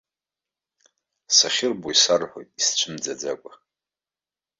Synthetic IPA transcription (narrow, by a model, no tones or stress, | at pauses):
saχʲɪrboisarħʷojtʼist͡ʃʷʰɨmd͡zad͡zakʷʼa